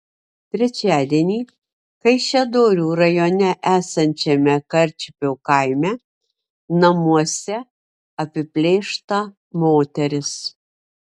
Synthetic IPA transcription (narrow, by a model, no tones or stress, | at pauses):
t̪ʲɾʲɛt͡ʃʲæːd̪ʲiɛnʲiː | kɐɪʃʲɛd̪oːɾʲuːɾɐjoːnʲɛʔæːsɐnʲt͡ʃʲɛmʲɛkɐɾʲt͡ʃʲɪpʲoːkɐɪmʲɛ | nɐmuɔsʲɛ | ɐpʲɪpʲlʲeːʃt̪ɐ | moːt̪ʲɛɾʲɪs